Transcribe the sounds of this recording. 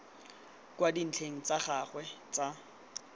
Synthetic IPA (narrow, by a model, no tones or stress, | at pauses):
kwadin̩t͡ɬʰeŋ̩t͡saχaχwɛt͡sa